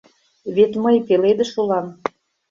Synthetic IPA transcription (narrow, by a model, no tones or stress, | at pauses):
βet̪məjpeled̪ə̆ʃulɑm